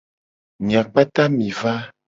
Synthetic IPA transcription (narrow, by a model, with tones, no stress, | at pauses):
mĩ˨a˨k͡pa˦t̪ã˦mĩ˨va˦